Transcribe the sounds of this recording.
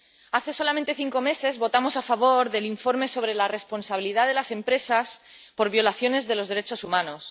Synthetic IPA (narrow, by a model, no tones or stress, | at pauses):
aθe̞so̞lamẽnt̪eθiŋko̞me̞se̞zβo̞t̪amo̞safaβ̞o̞ɾðe̞liɱfo̞ɾme̞so̞β̞ɾe̞lare̞spo̞nsaβ̞iliðaðe̞lase̞mpɾe̞saspo̞ɾβjo̞laθjo̞ne̞zðe̞lo̞zðe̞ɾe̞t͡ʃo̞sumãno̞s